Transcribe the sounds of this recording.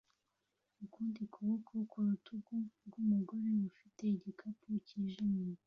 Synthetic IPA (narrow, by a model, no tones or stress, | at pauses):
ukuːndikʰoβokʰokʰuɾutʰuɡuɾɡumuɡoɾeɾufite̞iɟikʰapʰuciːʒime